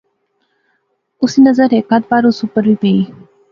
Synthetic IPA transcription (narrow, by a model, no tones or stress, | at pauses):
usinəzəɾekat̪̚baɾusupəɾʋipei